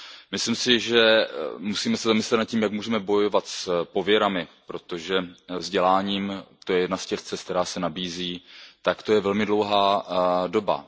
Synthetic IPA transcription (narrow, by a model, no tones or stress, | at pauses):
mɪslɪmsɪʒɛmusiːmɛsɛzamɪslɛt̪nat̪̚ciːmjakmuːʒɛmɛbo̞jo̞vat̪spo̞vjɛɾamɪpɾo̞t̪o̞ʒɛvzɟɛlaːɲiːmt̪o̞jɛjɛdnascɛft͡sɛskt̪ɛɾaːsɛnabiːziːt̪akt̪o̞jɛvɛlmɪdlo̞wɦaːdo̞ba̰